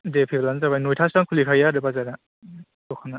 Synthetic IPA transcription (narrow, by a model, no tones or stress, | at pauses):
depʰelanzabanojtʰastaŋkʰulikʰajaɾɯbazaɾa | ɔkʰana